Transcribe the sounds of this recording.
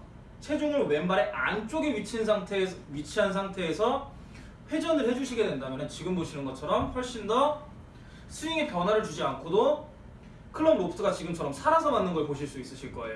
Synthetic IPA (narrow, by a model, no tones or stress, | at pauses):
t͡ɕʰe̞d͡ʑuŋɯɭwe̞mbaɾe̞ʔa̰nt͡ɕ͈oɡeɥit͡ɕʰinsʰaŋtʰeɥit͡ɕʰiɦansʰaŋtʰe̞ːsʰʌ | ɸwe̞d͡ʑʌnɯɭhe̞d͡ʑuɕʰiɡe̞dwendamjʌnɯnt͡ɕiɡɯmboɕʰinɯnɡʌt͡ɕʰʌɾʌmɸwʌɭɕ͈indʌ | sʰuiŋepjʌnɦwaɾɯɭt͡ɕud͡ʑiankʰodo | kʰɯɭːʌmɾopʰtʰɯɡat͡ɕiɡɯmt͡ɕʰʌɾʌmsʰaɾasʰʌmanːɯnɡʌɭpoɕʰiɭs͈uis͈ɯɕʰiɭk͈ʌejo